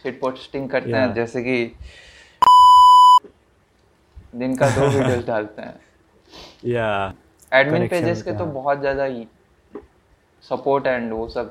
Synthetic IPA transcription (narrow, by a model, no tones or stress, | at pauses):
fɪʈ̚poːɾʈsɪ̥ʈɪ̃ŋɡkɐɾt̪eɦɛ̃d͡ʒɛːseki | d̪ɪnkad̪oːʋiːiəzɖaːlt̪eɦɛ̰̃ː | ja | ɛːɖmɪnpeːd͡ʒesket̪obɔɦɔt̪zjaːd̪a | sɐpoːɾʈɦɛ̃ɳɖʋoːsəb̚